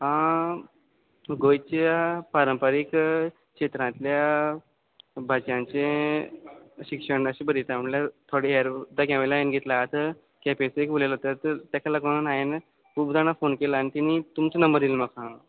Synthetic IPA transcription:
ɦã | ɡojt͡ɕjapaɾəmpaɾik | kɕet̪ɾãt̪lja | bʱat͡ɕãɲt͡ɕẽ | ɕikʂəɳɖəɕibəɾit̪aməɳljat̪ʰoɽieɾd̪aɡãʋlaenɡʱet̪lat̪ə | kɛpesekbulelt̪ət̪ət̪jakaləɡənanajen | kubd̪anafonkelaːnit̪init̪umt͡sənəmbəɾd̪ilməkã

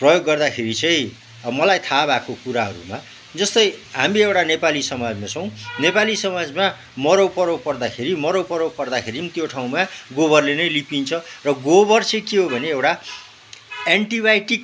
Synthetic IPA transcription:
prʌjoɡːʌrd̪akʰeɾit͡sʌĩ | ʌmʌlajt̪ʰabakokuɾaɦʌ̰ɾṵma | d͡zʌst̪ʌjɦamiewʈanepalisʌmad͡zmat͡sʌw̃nepalisʌmad͡zma | mʌɾowpʌɾow̚pʌrd̪akʰeɾimʌɾowpʌɾowpʌrd̪akʰeɾint̪joʈʰaw̃maɡobʌrlenʌjlipint͡sʰʌrʌɡobʌrt͡sʌĩkeɦobʱʌneewʈa | eɳʈibajʈik

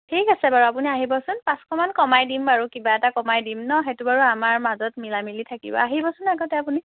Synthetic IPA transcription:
tʰikasɛbaɹuapuniaɦibɔsʊnpãskʰɔmankɔmajdimaɹukibaɛtakɔmajdimnɔxetubaɹuamaɹmazɔtmilamilitʰakḭbɔ̰aɦibɔsʊnaɡɔtɛapuni

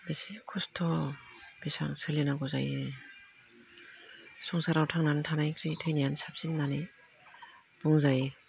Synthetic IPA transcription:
besikʰɔstʰɔb̥isa̰ŋsɯlinaɡɔzaji | sɔŋsaɾawtʰaŋnantʰanajkʰɾitʰɯjnijansap̚sinːani | b̥uŋzaj

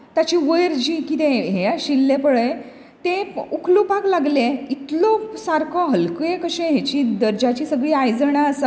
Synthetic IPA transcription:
t̪at͡ɕiːʋəjəɾd͡ʑiːkit̪ẽɦejaɕilːepəɭəj | t̪ẽukʰlupaklaɡleit̪lɔsaɾkʰɔɦəlkujekəɕẽɦet͡ɕid̪əɾd͡ʑat͡ɕiːsəɡɭiːajd͡zəɳaəsə

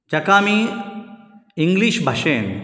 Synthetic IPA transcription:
t͡ʃɐkaːmi | iŋɡliʃbʱɐʃeːn

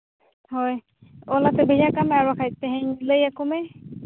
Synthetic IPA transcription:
hɔj | ɔlat̪ɛbʱejakamɛaɹakʰajt̪ɛɦɛ̃niləjakomɛ

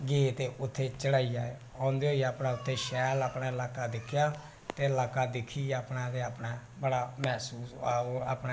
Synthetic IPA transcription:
ɡeːt̪eːʔʊt̪ʰːeːt͡ʃəɽaːijaːe | ãːnd̪eːɦoːiaːpnãːʊt̪ʰːeːʃɛːlaːpnaːɪlaːkaːd̪ɪkʰːjaː | t̪eːəlaːkaːd̪ɪkʰːiːaːpnãːd̪eːapnaː | bəɽaːmɛːsuːsaːoːa̰ːpna

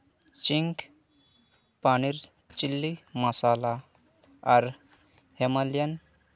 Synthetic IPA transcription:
t͡ɕiŋk | paɽ̃iːɾ | t͡ɕilːiməsala | aɾ | hemaljan

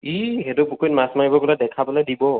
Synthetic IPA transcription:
iɦetupukʰot̚masmaibɔkɔladɛkʰapɔladibɔ

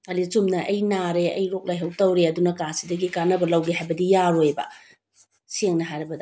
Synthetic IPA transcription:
ɐlisumnɐʔɐjnaɾeɐ̰jɾok̚lajɦɐwtɐwɾeɐdunɐkasidɐɡikanɐbɐlɐwɡiɦajbɐdijaɾojbɐ̰ | seŋnɐɦajɾɐbɐdɐ

